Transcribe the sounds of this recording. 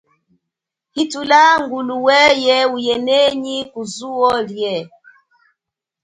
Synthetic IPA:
hitulaŋɡuluwɛjɛujɛnɛɲikuzuɔljɛ

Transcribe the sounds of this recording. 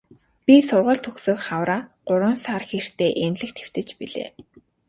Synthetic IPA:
pʲisʊrʁə̆ɮt̪ʰɵxsɵːkχawɾaːɢ̥ʊɾwə̆nsarxer̥t̪eːʔenɮɘ̆kt̪ʰe̥w̥t̪ɘ̆t͡ɕpiɮḛː

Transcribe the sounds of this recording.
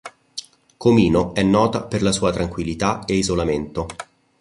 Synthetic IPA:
komiːnoɛnːɔːt̪aperlasuːat̪ɾaŋkwilːit̪aeizolament̪o

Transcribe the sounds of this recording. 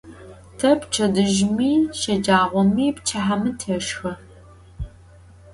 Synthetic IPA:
tʰɐpt͡ʃʰɐdɨʒmiːʃɐd͡ʒaːʁʷɔmiːpt͡ʃʰaħamɨtʰeʂxɐ

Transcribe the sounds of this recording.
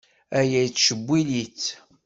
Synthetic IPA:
æjæjt͡sːʃəbʷːiliθ

